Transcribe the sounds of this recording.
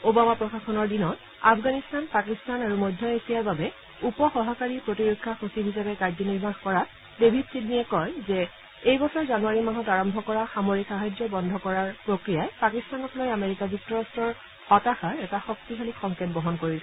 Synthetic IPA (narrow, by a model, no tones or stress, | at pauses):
obamapɹɔxaxɔnɔɹdinɔt | a̰pʰɡanistanpakistanaɹumɔjdʱjɔesijaɹbabɛ | upɔxɔɦakaɹipɹotiɹokʰːaxosibʱizabɛkaɹzɔniɹmaxkɔɹa | debʱipsidniɛkɔjzɛ | ejbɔsʰɔɹzanuaɹimaɦɔtaɹɔmbʱɔkɔɹaxamoɹikxaɦajd͡ʒɹɔbɔndʱɔkɔɹaɹpɹokɹijajpakistanɔkʰɔlɔjameɹikazuk̚tɔɹastɹɔɹ | xɔtaxaɹɛtaxɔk̚tiɦʰalikxɔŋket̚bɔɦɔnkoɹisɛ